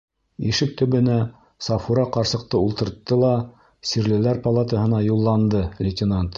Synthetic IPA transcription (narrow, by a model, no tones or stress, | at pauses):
iʃɘk̚t̪ɵ̆βɵ̆næ | sɑfuɾɑqɑɾsɤ̆q̚t̪ɤulˠt̪ɤ̆ɾt̪ːɤlˠɑ | siɾlɘ̆læɾpɐlˠat̪əɦɤ̆nɑjulˠːɑnd̪ɤlʲɪtʲɪnant̪